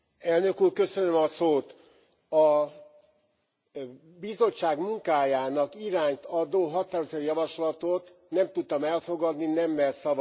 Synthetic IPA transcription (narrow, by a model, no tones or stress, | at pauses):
ɛlnø̞kuːrkø̞sønømɒsoːt̪ | ɒ | bizo̞t͡ʃːaːɡmuŋkaːjaːnɒkiɾaːɲt̪ɒd̪oːɦɒt̪aːɾozøjɒvɒʃlɒt̪ot̪nɛmt̪ut̪̚t̪ːɒmɛlfo̞ɡɒd̪ninɛmːɛlsɒvɒ